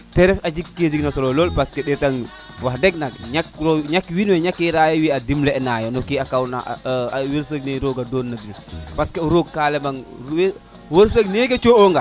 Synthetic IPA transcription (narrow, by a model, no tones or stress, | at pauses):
tɛɾɛfad͡ʒikkːed͡ʒiknasɔlololpaskeɗɛtaŋ | wahdɛk̚nak̚ɲakɾoɲakwinwɛɲakːiɾaːjɛwiadimlɛɛnajɔnɔkiakawna̰weɾsəɡ̚neɾoɡadonːadil | paskeuɾoɡkːaːlɛmaŋwe | wəɾsəkneket͡ʃooŋɡa